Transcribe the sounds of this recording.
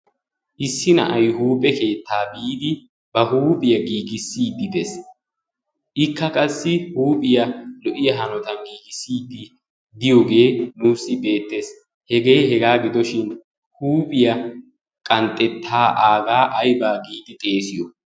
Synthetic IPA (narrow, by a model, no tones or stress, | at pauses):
ʔɪsːɪnɐ̰ʔɐjɦuːpʼɛke̞ːt̪ːaːbiːd̪ɪ | b̥ɐhuːpʼɪjɐɡiːɡɪsːiːd̪ːɪd̪ɛs | ʔɪkːɐkʼɐsːɪhuːpʼɪjɐlɔʔɪjɐɦɐnɔt̪ɐnɡiːɡɪsːiːd̪ːɪ | d̪ɪjoɡe̞ːnuːsːɪbe̞ːt̪ːe̞s | hɛɡe̞ːɦɛɡaːɡɪd̪ɔʃɪn | huːpʼɪjɐ | kʼɐnt̪ʼːɛt̪ʰːaːʔaːɡaːʔɐjbaːɡiːd̪ɪt̪ʼe̞ːsɪjɔ